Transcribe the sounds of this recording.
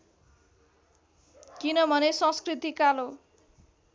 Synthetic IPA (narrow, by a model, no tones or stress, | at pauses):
kinʌbʱʌnesʌ̃skrit̪ikalo